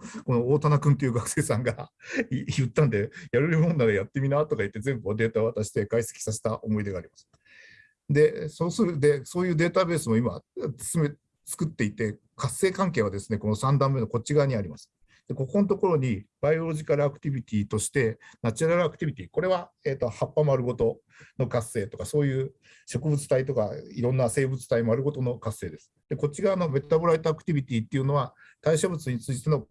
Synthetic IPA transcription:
ko̞no̞oːt̪anakɯ̟̃nt̪ojɯːɡakɯ̟̥se̞ːsãŋɡa | jɯ̟t̪ːãnd̪e̞jaɾɯɾʲɯmõ̞nːad̪ejat̪ːe̞mʲinaːt̪o̞kait̪ːe̞zẽ̞mbɯβad̪e̞ːt̪ao̞βat̪aɕi̥t̪e̞ɡaise̥kʲi̥saɕe̥t̪aʔo̞mo̞id̪e̞ɡaːɾʲimasɨ̥ | d̪e̞so̞ːsɨɾɯ̟d̪e̞so̞ːjɯ̟ːd̪e̞ːt̪abe̞ːsɨmo̞ima̰ɨ̥sɨme | t͡sɨ̥kɯ̟t̪ːe̞it̪e̞ | kasːe̞ːkãŋke̞ːβ̞ad̪e̞sɨne̞ko̞no̞sãnd̪ãmːe̞noko̞t͡ɕiɡaːɲ̟iaɾʲimasɨ̥ | d̪̥e̞ko̞ko̞not̪o̞ko̞ɾo̞ɲ̟ib̥ajo̞ɾo̞ʑikaɾɯakɯ̟̥t̪ʲibʲit̪ʲiːt̪o̞ɕi̥t̪e̞nat͡ɕaɾaɾɯakɯ̟̥ibʲit̪ʲiːko̞ɾe̞βaeːt̪ːo̞hapːamaɾɯ̟ɡo̞t̪o̞ | no̞kase̞ːt̪o̞kaso̞ːjɯ̟ː | ɕo̞kɯ̟bɯ̟t͡sɨ̥t̪ait̪̬o̞kaiɾõ̞nːase̞ːbɯ̟t͡sɨ̥t̪aimaɾɯɡo̞t̪o̞no̞kase̞ːd̪e̞sɨ̥d̪̥e̞ko̞t͡ɕiɡaːno̞me̞t̪t̪aboɾait̪oakɯ̟̥t̪ʲibʲit̪ʲiːt̪ːeiɯ̟no̞a | t̪aiɕobɯ̟t͡sɨɲ̟it͡sɨit̪e̞no̞

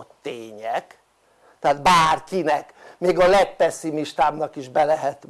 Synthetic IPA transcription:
t̪ːeːɲɛk | t̪ɛaːd̪baːrkinɛk | meːɡɒlɛt̪pɛsːimiʃt̪aːmnɒkiʒbɛlɛɦɛt̪

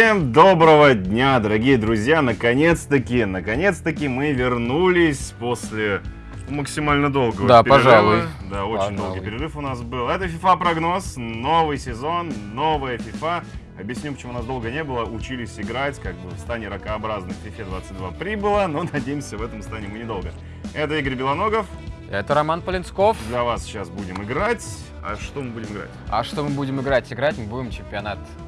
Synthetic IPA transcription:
emd̪o̞bɾəvədʲnʲad̪əɾɐɡʲijəd̪ɾʊzʲjanəkɐnʲe̞t̪st̪əkʲɪnəkɐnʲe̞t̪st̪əkʲimɨvʲɪrnulʲɪsʲposʲlʲɪ | ʊməksʲɪmalʲnəd̪o̞lˠɡəvəd̪apɪpɐʐalˠʊd̪aot͡ɕɪnʲd̪olˠɡəijpʲɪɾʲɪrɨfʊnas̬bɨlˠɛt̪əfʲɪfapɾɐɡno̞sno̞vɨjsʲɪzo̞nːo̞vəjəfʲɪfa | ɐbjɪsʲnʲimpət͡ɕɪmunasd̪o̞lˠɡənʲe̞bɨlˠəʊt͡ɕilʲɪsʲɪɡɾatʲkaɡ̚bɨfst̪anʲɪɾəkəːbɾaznɨfʲɪfʲed̪vat̪sɨt̚ʲd̪vapɾʲibɨlˠəno̞nɐdʲejɪmsʲəvɛt̪əmst̪anʲɪɪmɨnʲɪd̪o̞lˠɡə | ɛt̪əiɡəɾʲbʲɪlˠɐno̞ɡəf | ɛt̪əɾɐmanpəlʲɪnsko̞fd̪lʲɐvasɕasbudʲɪmɪɡɾatʲ | ɐ̰ʂt̪o̞mɨbudʲɪmɨɡɾa̰t̚ʲɐ̰ʂt̪o̞mɨbudʲɪmɪɡɾatʲɪɡɾatʲmɨbudʲɪmt͡ɕɪmʲpʲɪɐnat̪

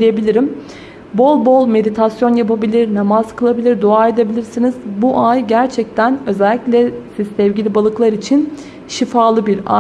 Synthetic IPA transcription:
ijebilʲiɾim | bo̞lˠbo̞lˠme̞d̪it̪ʰasjo̞njapʰabilʲiɾnamazkʰɯlˠabilʲiɾd̪oaːe̞d̪ebilʲiɾsiniz̥buʔajɟæɾt͡ʃʰɛc̚t̪ʰænø̞zɛlʲːiclʲɛsizsɛvɟilʲibalˠɯklˠaɾit͡ʃʰin | ʃifaːlˠɯbiɾa̰

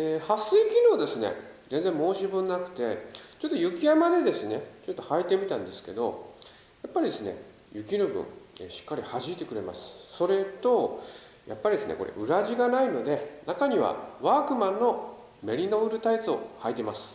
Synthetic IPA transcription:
eːhasɨikʲino̞ːd̪e̞sɨne̞̰ | ze̞nd͡zẽ̞mo̞ːɕibɯ̟̃nːakɯ̟̥t̪e̞t͡ɕo̞t̪ːo̞jɯ̟kʲijamad̪e̞d̪e̞sɨnet͡ɕo̞t̪ːo̞hait̪e̞mʲit̪ãnd̪e̞sɨ̥ke̞d̪o̞̰ | japːaɾʲid̪e̞sɨne̞̰ | jɯ̟kʲiɾɯ̟bɯ̰̃eɕi̥kːaɾʲihaʑiit̪e̞kɯ̟ɾe̞ma̰sɨ̥so̞ɾe̞t̪o̞ | ja̰pːaɾʲid̪esɨnḛko̞ɾe̞̰ʔɯ̟ɾaʑiɡanaino̞d̪e̞nakaɲ̟iβa̰βaːkɯ̟mãnːo̞ | me̞ɾʲino̞ɯ̟ɾɯ̟t̪ait͡sɨo̞̰hait̪e̞masɨ̥

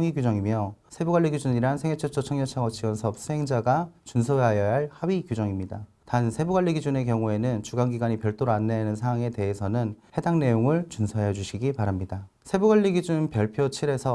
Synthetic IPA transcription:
ŋiɡjud͡ʑʌŋimjʌsʰe̞buɡwaɭːiɡid͡ʑuniɾansʰeŋet͡ɕʰʌt͡ɕ͈ʰʌt͡ɕʰʌŋɲʌt͡ɕʰaŋʌt͡ɕʰiwʌnsʰʌp̚s͈uɦe̞ŋd͡ʑaɡat͡ɕuns̬ʰʌajʌɦaɭhabikjud͡ʑʌŋimɲida | tansʰe̞buɡwaɭːiɡid͡ʑune̞kjʌŋue̞nɯnt͡ɕuɡanɡiɡwaɲipjʌɭt͈oɾoanːenɯnsʰaŋwaŋe̞te̞ɦesʰʌnɯnhe̞daŋne̞joŋɯɭt͡ɕunsʰʌejʌd͡ʑuɕʰiɡipaɾamɲida | sʰe̞buɡwaɭːiɡid͡ʑunpjʌɭpʰjot͡ɕʰiɾe̞sʰʌ

